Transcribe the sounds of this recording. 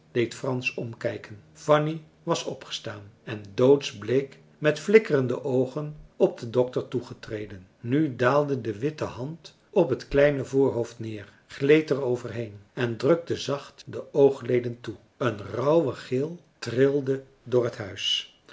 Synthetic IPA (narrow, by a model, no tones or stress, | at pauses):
d̥ejtfrɑnsɔmkɛjkənfɑni | ʋɑsɔpχə̥staːnɛndowtsblejk | mɛtflɪkərəndəʔowχənɔb̚dədɔk̚təɹtuχətrejdən | nydaːlˠdədəʋɪtəɦɑnt | ɔpɦətklɛjnəvʊːɹɦowftnɪːɹ | χlejtərowvəɹɦejnɛndrøk̚təzɑχtdəʔowχlejdəntu | ənrɑwwəχɪlˠ | trɪlˠdə | dʊːɹɦətɦœɥs